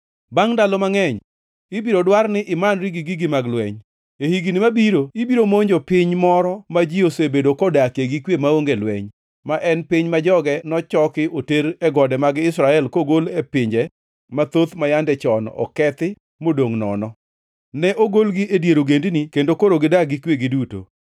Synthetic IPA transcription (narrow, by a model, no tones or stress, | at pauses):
baŋdalɔmaŋɛɲ | ibiɾodwarnɪʔɪmanɾiɡɪɡiɡɪmaɡlwɛ̰ɲ | ehiɡinɪmabiɾoibiɾomoɲd͡ʒopɪɲmɔɾɔmad͡ʒiosebedokɔdakeɡikwjemaoŋɡelwɛ̰ɲ | maʔɛnpɪɲmad͡ʒɔɡɛnɔt͡ʃɔkɪʔoteɾɛɡɔdɛmaɡɪɪsɾaɛlkoɡolɛpɪɲd͡ʒɛ | mat̪ot̪majandɛt͡ʃɔnɔ̰kɛt̪ɪ | modoŋnɔ̰nɔ | nɛʔoɡolɡiʔedjeɾoɡendnikendokoɾoɡɪdaɡɪkweɡɪduto̰